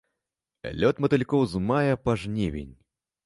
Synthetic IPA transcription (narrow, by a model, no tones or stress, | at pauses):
lʲɔt̪mɐt̪ɨlʲkɔwzmajɐpaʐnʲɛvʲḛnʲ